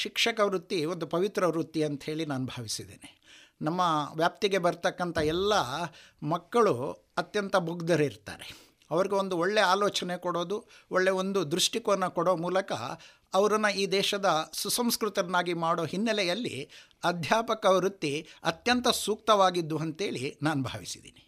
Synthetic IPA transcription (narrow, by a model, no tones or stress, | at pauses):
ʃikʂɐkɐʋɾut̪ːio̞nd̪upɐʋit̪ɾɐɾut̪ːiɐnt̪ɐhe̞ːɭinaːnubʱaːʋisid̪ḛːni | nɐmːɐʋjaːp̚t̪iɡe̞bɐɾt̪ɐkːɐnt̪ʰɐɛlːɐmɐkːɐɭu | ɐt̪jɐnt̪ɐmuɡd̪ɐɾeiɾt̪a̰ːɾe | ɐʋɐɾiɡeo̞nd̪uɔɭːeaːloːt͡ʃɐnekɔɽo̞ːd̪u | oɭːe̞o̞nd̪ud̪ɾuʂʈikonːɐkɔɽoːmuːlɐkɐ̰ː | ʋɐɾɐnːɐiːd̪ɛːʃɐd̪ɐsusɐmskɾut̪ɐɾɐnːaːɡimaːɽo̞ːɦinːɐlɛjɐlːḭ | ɐd̪ʱjaːpɐkɐɾut̪ːiɐt̪jɐnt̪ɐsuːk̚t̪ɐʋaːɡid̪ːuɐnt̪ɦe̞ːɭḭnaːnubʱaːʋisid̪ḭːni